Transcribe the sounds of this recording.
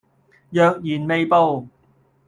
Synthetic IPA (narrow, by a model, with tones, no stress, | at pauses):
jœː˨˧k̚jiː˨˩nme˨jpo˧w